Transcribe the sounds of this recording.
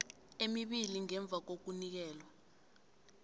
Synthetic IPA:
emiɓiliŋɛɱb̪vʱak̬ok̬unik̬ɛːlwa

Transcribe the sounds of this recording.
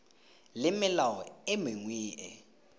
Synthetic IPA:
lɪmɪlawɔɪmeŋwiːʔɛ

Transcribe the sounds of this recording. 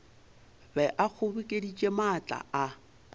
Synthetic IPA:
bɛʔak͡xʰʊbɪkʼedit͡ʃʼemat͡ɬʼa̰a

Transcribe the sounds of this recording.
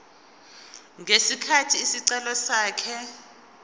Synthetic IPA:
ŋʱesikʰatʰiːsiǀɛlɔsaːkʰɛ

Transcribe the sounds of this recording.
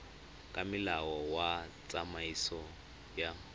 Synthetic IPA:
kʼamilawɔwat͡sʼamaisɔ | ja

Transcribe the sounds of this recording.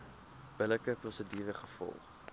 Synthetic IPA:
b̥ələkəposədiːvəχəfɔ̰lˠχ

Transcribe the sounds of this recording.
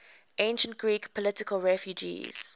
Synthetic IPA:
ʔẽɪ̃nʃə̃ntɡ̥ɹiːkpʰɔlɪtɪkəlɹɛfjud͡ʒḭːz̥

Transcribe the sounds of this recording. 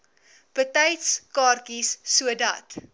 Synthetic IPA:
pətɛjtskɑːrkisːuədɐ̰t

